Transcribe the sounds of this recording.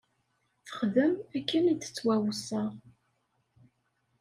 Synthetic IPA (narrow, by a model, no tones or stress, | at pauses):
θə̥χðəmækːənit͡s̪ːə̥t͡sːwæwəsəʁ